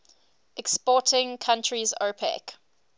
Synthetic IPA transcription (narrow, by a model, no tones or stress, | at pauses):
ʔɛkspɔːˑtʰɪ̃ŋkʰãntʰɹizo̰pʰɛ̰k